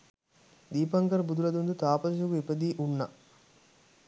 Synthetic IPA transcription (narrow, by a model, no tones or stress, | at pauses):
d̪iːpɐŋkɐɾbud̪ulɐd̪und̪ut̪aːpɐsukuipɐd̪iːʔunːɐ